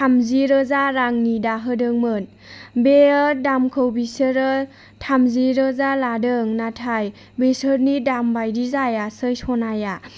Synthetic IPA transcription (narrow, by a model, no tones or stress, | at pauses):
tʰamziɾɯzaɾaŋnidaɦɯdɯŋmɯn | beədamkʰɯwbisɯɾə | tʰamziɾɯzaladɯŋnatʰaj | besɯɾnidambajdizajasɯjsɔnaja